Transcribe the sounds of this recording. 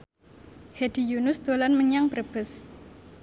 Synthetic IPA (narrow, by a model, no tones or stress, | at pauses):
hed̥ijunʊsd̪̥olanməɲaŋpərb̥əs